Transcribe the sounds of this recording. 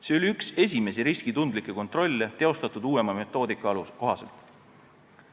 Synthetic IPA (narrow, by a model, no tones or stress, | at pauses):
se̞o̞lʲiykse̞s̬ʲime̞siɾiskit̪und̪likːˑe̞ko̞nt̪ˑro̞lʲːet̪e̞o̞st̪ɑt̪ːˑud̪̥uːe̞mɑme̞t̪ːˑo̞ːd̪ikːˑɑɑlusko̞ɦɑse̞lt̪ˑ